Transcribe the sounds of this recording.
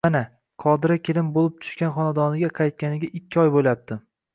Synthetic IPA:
mana | qʰɒd̪ɪɾakʲɪlɪmbolˠɪp̚t̪ʰʊ̥ʃkʲanχɒnad̪ɒnɪɡʲaqʰɑjt̪̚kʲanɪɡʲaʔɪkʲʰːɪɒjboljap̚t̪ʰɪ

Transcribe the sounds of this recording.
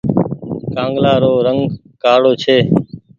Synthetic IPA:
kãːŋɡlaːɾoːɾəŋɡ | kaːɽoːt͡ʃʰeː

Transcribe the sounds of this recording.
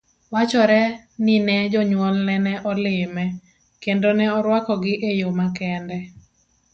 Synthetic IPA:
wat͡ʃɔɾɛ | nɪnɛd͡ʒɔɲwɔlnɛnɛʔɔlɪmɛ | kendonɛɔɾwakɔɡɪʔejomakɛndɛ

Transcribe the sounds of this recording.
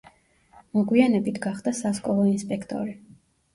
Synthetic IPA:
mɔɡwianɛbit̪ʰɡaχd̪asaskʼɔlˠɔinspʼɛkʰt̪ʼɔ̰ɾi

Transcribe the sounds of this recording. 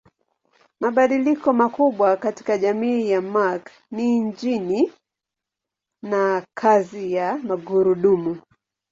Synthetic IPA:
maɓaɗilikɔmakuɓwakati̥kaʄamiːjamak | niɲd͡ʒini | nakʰazijamaɡuɾuɗumu

